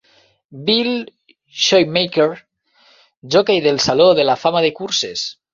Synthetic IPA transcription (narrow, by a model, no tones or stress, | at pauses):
bil | ʃojmejkeɾ | d͡ʒokejðelsaloðelafamaðekuɾses